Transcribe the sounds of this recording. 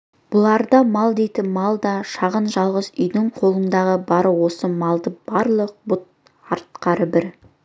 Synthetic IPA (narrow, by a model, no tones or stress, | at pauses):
b̥ʊlˠɑɾd̪ɑmɑlˠd̪ejt̪ɪmɑlˠd̪ɑʃɑʁənʒɑlˠʁəzʏjd̪ɪɴqʰo̞lˠənd̪ɑʁəbɑɾəwo̞səmɑlˠd̪əb̥ɑɾlˠəq̚bʊt̪̚ | ɑɾt̪qɑɾəbɪɾ